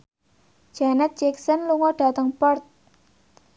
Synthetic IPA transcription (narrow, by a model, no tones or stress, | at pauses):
d͡ʒ̥anɛt̪̚dd͡ʒɛksənluŋɔɖ̥ä̤t̪əŋpɔrt̪̚